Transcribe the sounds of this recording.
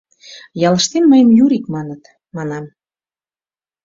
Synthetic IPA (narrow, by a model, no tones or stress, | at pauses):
jɑləʃt̪enməjəmjuɾikmɑnət̪ | mɑnɑm